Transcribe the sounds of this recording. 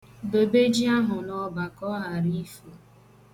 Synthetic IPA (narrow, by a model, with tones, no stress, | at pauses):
bo˨be˦d͡ʒi˦a˦ɦʊ˨nɔ˦ba˨kɔ˦ɦa˨ɾi˦fu˨